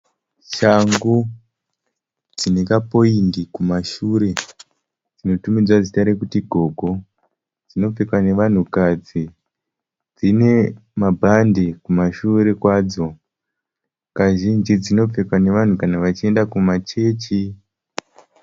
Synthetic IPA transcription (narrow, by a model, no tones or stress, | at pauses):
t͡ʃaŋɡu | d͡zine̞kapo̞iŋɡikumaʃuɾe̞ | d͡zino̞tumid͡zwazitaɾekutiɡʱo̞ːɡʱo̞ | d͡zino̞p͡fekwane̞ʋan̤ukad͡zi | d͡zine̞mabʱandekumaʃuɾe̞kwaːd͡zo̞ | kaʒind͡ʒid͡zino̞p͡fekwane̞ʋan̤ukanaʋat͡ʃie̞ndakumat͡ʃe̞ːt͡ʃi